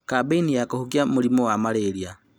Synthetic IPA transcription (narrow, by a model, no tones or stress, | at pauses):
kabeinijakohukjamulimowamaleɾja